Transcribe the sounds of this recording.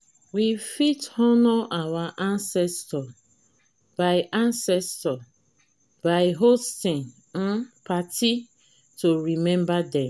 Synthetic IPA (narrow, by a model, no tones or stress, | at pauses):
wifitɔnɔʔawaʔãnsɛstɔ | b̥aɪʔãnsɛstɔ | baɪɦostĩn̩ | pʰatʰi | toɹimɛ̃mbadɛ̃